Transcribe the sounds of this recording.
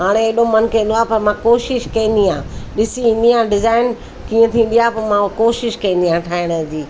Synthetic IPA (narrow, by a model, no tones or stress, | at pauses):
ɦaːɽ̃eeɗõmɐnkʰẽːn̆d̪oaːpɐɾmãkoːʃɪʃkɐ̃ɦĩn̆d̪iãːɗɪsiɦĩn̆d̪iãːɖɪzaːɪn | kiːə̃t̪ʰĩːn̆d̪ijaːpɐɾmãkoːʃɪʃkɐ̃ĩnd̪iãːʈʰaːɪɽ̃əd͡ʑiː